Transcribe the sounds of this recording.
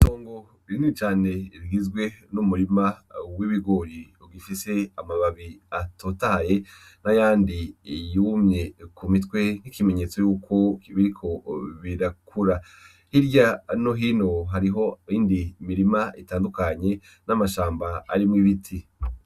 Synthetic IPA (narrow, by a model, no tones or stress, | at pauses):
to̞ːŋɡo | iɾinit͡ʃaːne̞iɾɡizɡwe̞numuɾimawiβiɡoɾiuɡifise̞amaβaβiatʰoːtahaje̞ | najaːndijumɲe̞kumitwe̞n̥hikime̞ɲe̞t͡so̞juːko̞βiɾikʰo̞βiɾakʰuɾa | hiɾjanoɦiːno̞ɦaɾiɦo̞iːndimiɾimaitaːndukaɲe̞ | namaʃaːmba̰ːɾimŋiβitʰi